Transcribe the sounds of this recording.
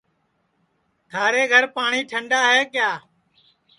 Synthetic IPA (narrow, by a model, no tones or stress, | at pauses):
t̪ʰaːɾeːɡʱəɾpaːɳiːʈʰəɳɖaːɦeːkjaː